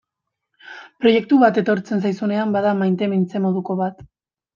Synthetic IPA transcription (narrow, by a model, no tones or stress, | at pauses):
pɾo̞je̞k̚t̪uβat̪e̞t̪o̞ɾt͡se̞ns̬ajsune̞ambaðamajnt̪e̞mint͡se̞mo̞ð̞uko̞βat̪